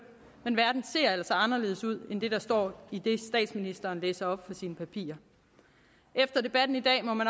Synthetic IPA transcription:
menʋæɐd̥n̩se̝̰ɐ̰elɐsɐɑ̈nɐle̝ːð̞̩̰ˠsuð̞̰ˠend̥e̝ɾ̥ɑ̈sd̥ɒ̰ːid̥e̝sd̥ɛ̰ːd̥sminisd̥ɐːnleːsɐɒ̽b̥fɒ̽siːnəpʰæpʰḭːɐ | ʔefd̥ɐd̥e̝b̥æd̥n̩id̥ɛ̰ːmɒ̽mæn

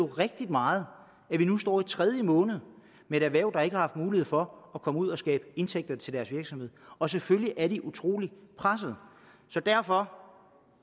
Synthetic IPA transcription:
o̝ʁɛɡ̥̚d̥id̥mɑ̈ːð̞̩ˠ | æʋinusd̥ɒ̰ːit͡sʰʁɛð̞ˠjəmɔ̽ːnəð̞̩ˠ | mee̝ɾ̥æʋæɐʊ̰̥ɑ̈eɡəhɑ̈hɑ̈fd̥̚muːlihe̝ð̰ˠfɒ̽ːkʰɒ̽muð̞̰ˠɒsɡ̥ɛ̰ːb̥əe̝nt͡sʰeɡ̥̚d̥ɐt͡sʰe̝ld̥æɐsʋiɐɡ̥sɒ̽mhe̝ð̰ˠɒ̽s̬eføljiʔæɐɾiʔut͡sʰʁo̝̰ːlipʰʁas̬əð̩ˠ | sɒ̽d̥æɐfɒ̽

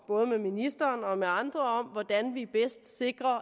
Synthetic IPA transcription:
b̥ɔ̽ːð̞̩ˠəmeminisd̥ɐːnɒ̽meɑ̈nd̥ʁɐɒ̽m̰ʋɒd̥ænʋib̥esd̥se̝ɡ̥ʁɐ

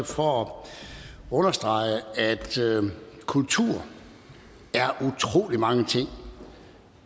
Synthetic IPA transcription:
fɒ | ɔ̽nɐsd̥ʁɑ̈ɪəæd̥ | kʰult͡sʰuɐ̰ | æɐʔut͡sʰʁo̝̰ːlimɑ̈ŋət͡sʰe̝ŋ̰

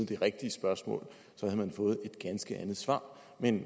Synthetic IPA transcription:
d̥e̝ʁeɡ̥̚d̥iəsb̥ɶɐsmɔ̰̽ːl | sɒhæðˠmænfɔ̽ːð̞̩ˠe̝d̥ɡ̥ænsɡ̥əʔænð̩ˠsʋɑ̰̈ː | men

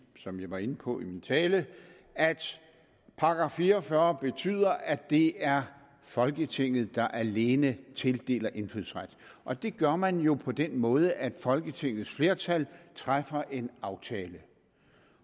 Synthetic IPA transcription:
sɒ̽mjɑ̈ɪʋɑ̈e̝nəpʰɒ̽ʔimint͡sʰɛːlə | æd̥ | pʰɑ̈ɡ̥ɑ̈fiːɐɒfɶːɐb̥e̝t͡sʰy̰ːð̰ˠɐʔæd̥e̝æɐ | fɒ̽lɡ̥ət͡sʰe̝ŋ̰ð̞̩ˠd̥ɑ̈ʔæle̝ːnət͡sʰe̝ld̥e̝̰ːlɐʔe̝nflyð̰ˠsʁad̥ʔɒ̽d̥e̝ɡ̥ɶɐmænjo̝pʰɒ̽d̥enmɔ̽ːð̞ˠəʔæd̥fɒ̽lɡ̥ət͡sʰe̝ŋ̰ð̞̩ˠsfle̝ːɐt͡sʰælt͡sʰʁafɐʔe̝nɑ̈ʊt͡sʰɛːlə

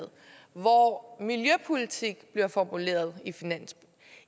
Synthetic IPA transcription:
ð̩ˠ | ʋɒmiljøpʰulit͡sʰiɡ̥b̥liɐfɒmule̝̰ːɐð̞ˠifinæn̰s

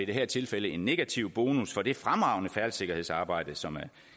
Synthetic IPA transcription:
iɾ̥e̝ɦæɐ̰t͡sʰe̝lfeləe̝nːe̝ɡ̥æt͡sʰiʊ̰b̥o̝ːnusfɒ̽d̥e̝fʁamʁɑ̈ʊ̰nəfæɐlse̝ɡ̥ɐhe̝̰sɑ̈ːb̥ɑ̈ɪ̰d̥əsɒ̽mæɐ

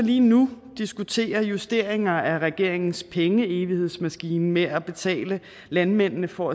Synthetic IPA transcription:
liːnud̥isɡ̥ut͡sʰe̝̰ːɐjusd̥e̝̰ɐ̰eŋɐæʁɛɡ̥e̝ɐ̰e̝ŋn̩spʰeŋəe̝ːʋihe̝ð̰ˠsmæsɡ̥iːnmeæb̥e̝t͡sʰɛ̰ːlə | lænmen̰nəfɒ̽æ

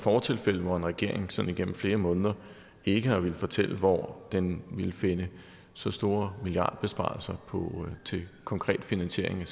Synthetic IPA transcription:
fɒːt͡sʰe̝lfel̰əʋɒe̝nʁɛɡ̥e̝ɐ̰e̝ŋsɒ̽niɡ̥ḛm̩fle̝ːɐmɔ̽ːnðˠɐ | e̝ɡ̥əhɑʋiləfɒ̽t͡sʰel̰əʋɒ̰d̥enʋilfe̝nə | sɒ̽sd̥o̝ːɐmiliɑ̈ːd̥̚b̥e̝sb̥ɑ̈ːlsɐpʰɒ̽t͡sʰe̝kʰɒ̽ŋkʰʁɛ̰ːd̥finænɕe̝ɐ̰eŋæ

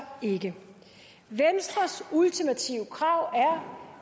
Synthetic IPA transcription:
e̝ɡ̥ə | ʋensd̥ʁɐsult͡sʰimæt͡sʰiʊ̰kʰʁɑ̈ʊ̰æɐ

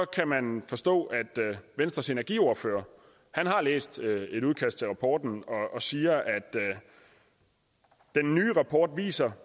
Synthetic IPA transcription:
ɒ̽kʰæmænfɒ̽sd̥ɔ̰̽ːʔæd̥ʋensd̥ʁɐse̝næɐɡ̥ḭo̝ɐfø̰ːɐ | hænɦɑ̈lḛːsd̥e̝ɾuðˠkʰæsd̥t͡sʰe̝lʁɑ̈pʰɒ̰ːd̥n̩ɒ̽ːsiːɐʔæd̥ | d̥enːyːʁɑ̈pʰɒːd̥ʋḭːsɐ

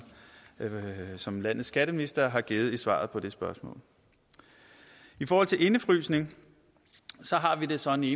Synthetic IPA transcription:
sɒ̽mlæn̰ð̩ˠsɡ̥æɾ̥əminisd̥ɐɦɑ̈ɡ̥eːð̩ˠisʋɑ̰̈ːð̞̩ˠpʰɒ̽d̥e̝sb̥ɶɐsmɔ̰̽ːl | ifɒːhɒ̽l̰t͡sʰe̝lʔe̝nəfʁy̰ːsne̝ŋ | sɒ̽ɦɑ̈ʋid̥e̝sɒ̽eneː

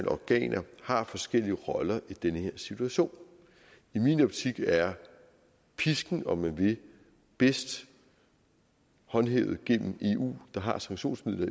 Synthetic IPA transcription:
nɒɡ̥ɛ̰ːnʔɐhɑ̈fɒ̽sɡ̥el̰iəʁɒ̽lɐʔid̥enəhe̝ɐ̰sit͡sʰuæɕo̝̰ːn | iminɒb̥t͡sʰiɡ̥æɐ | pʰisɡ̥n̩ɒ̽mænʋe̝ | b̥e̝sd̥ | hɒ̽nɦeʊð̩ˠɡ̥en̰m̩e̝ːṵːd̥ɑ̈ɦɑ̈sɑ̈ŋɕo̝̰ːnsmiðˠlɐi

